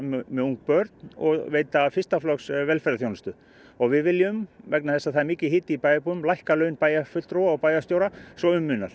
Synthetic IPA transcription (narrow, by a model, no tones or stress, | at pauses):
mmɛðuŋk̚pœɾt̪nɔ̰ɣveːjt̪afɪst̪aflɔksvɛlfɛɾaθjownɪst̪ʏ | ɔɣvɪðvɪljʏmvɛknaθɛsːaθaðɛɾmiːcɪɦɪːt̪ɪipaːjapuʏmlajhkalœːɥnpaːjafʏlt̪ɾowaɔpaːjast̪jowɾasvɔʏmːʏːnal